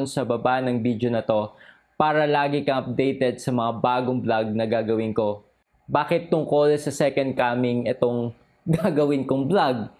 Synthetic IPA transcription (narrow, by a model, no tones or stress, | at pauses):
nsɐbɐbanɐŋbid̪jonɐt̪o̞ | paːɾɐlaːɡɪkɐʔɐp̚d̪ɛjt̪ɛd̪̚sɐmɐŋabaːɡoŋblaɡ̚nɐɡaːɡɐwɪnko̞ | baːkɪt̪ːʊŋkoːlɛsɐsɛkɐnd̪̚kaːmɪŋɛt̪o̞ŋ | ɡaːɡɐwɪnkoŋblaɡ̚